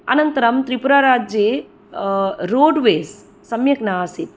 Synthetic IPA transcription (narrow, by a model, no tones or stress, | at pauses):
ɐ̰nɐnt̪ɐɾɐmt̪ɾipuɾaːɾaːd͡ʒje | ɾoːɖʋeːs | sɐmjɐknaːasit̪̚